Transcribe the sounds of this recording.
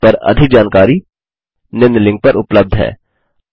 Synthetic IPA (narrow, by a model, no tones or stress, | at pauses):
pɐɾɐ̰d̪ʱɪk̚d͡ʒaːnkaːɾi | nɪ̃nd̪lɪ̃ŋɡ̚pɐɾʊpləb̚d̪ʱɦɛ̰ː